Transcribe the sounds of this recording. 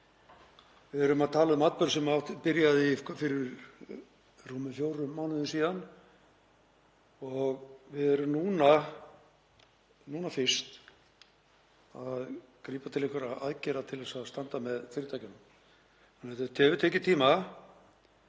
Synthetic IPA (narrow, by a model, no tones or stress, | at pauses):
vɪðɛɾʏmaðt̪ʰaːlaðʏmat̪̚pœɾsɛmapɪɾjaðɪkʰafɪɾɪɾ | ruːmʏfjowɾʏːaːwnɪðʏnsiːðan | ɔɣvɪðɛɾʏmnuːna | nuːnafɪr̥st̪ | að | kɾiːpat̪ʰɪlehkvaɾaða̰ðcɛɾat̪ʰɪlɛsaðst̪ant̪amɛðfɪɾɪt̪ʰajcɪnʏm | anɛt̪at̪ʰɛːvʏt̪ʰɛːcɪt̪ʰiːma